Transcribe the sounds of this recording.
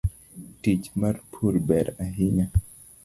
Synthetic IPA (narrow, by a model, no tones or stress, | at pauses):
tit͡ʃmaɾpʰuɾbɛɾaɦɪɲa